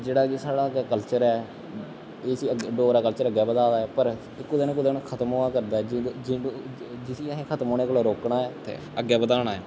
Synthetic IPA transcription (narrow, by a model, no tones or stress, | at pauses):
d͡ʒeːɽaːkesaːɽaːɡɛːkəlt͡ʃəɾɛː | eːsiːəɖoːɾaːkəlt͡ʃəɾəɡɛːbəd̪aːd̪aːɦɛːpəɾ | ɪkːʊd̪eːnũːkʊd̪eːnũːkʰət̪əmɦoːaːkəɾd̪aːɛːd͡ʒd͡ʒ | d͡ʒɪsiːəɦẽːkʰət̪moːneːkoloːɾoːkɳaːɛːt̪ʰḛːəɡːɛːbəd̪aːɽ̃aːɛː